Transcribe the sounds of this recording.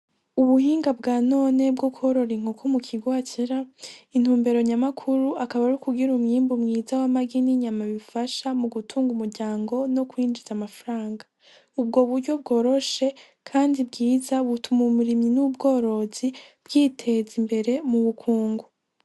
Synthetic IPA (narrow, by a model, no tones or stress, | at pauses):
uβuhiːŋɡabɡaːno̞ne̞bɡoko̞ɾo̞ɾiŋ̥okʰomukʰiɡwaːciɾain̥huːmbe̞ɾo̞ɲamakʰuɾuakaβaɾukuɡiɾumɲiːmbumŋiːzawamaɡiniɲamaβifaʃamuɡutʰuːŋɡumuɾɟaːŋɡo̞no̞kwiːnd͡ʒizamafaɾaːŋɡa | ub̚ɡo̞βuɾɟo̞bɡo̞ːɾo̞ʃe̞ | kʰaːndibɡiːzaβutumumuɾimɲinubɡo̞ːɾo̞z̥ib̥ɡiːtʰe̞zimbe̞ɾe̞muβukʰuːŋɡu